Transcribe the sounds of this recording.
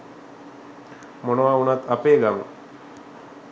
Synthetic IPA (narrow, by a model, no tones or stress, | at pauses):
monəʋaːunat̪apeːɡamə̰